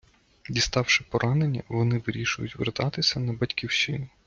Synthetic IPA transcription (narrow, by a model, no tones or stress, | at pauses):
dʲist̪ɑwʃɪpɔɾʔɑne̞nʲːɐ̰ʋɔnɪʋɪɾʲiʃʊjʊtʲʋḛrt̪ɑt̪ɪsʲɐnɐbɐtʲkʲiwʃɪnʊ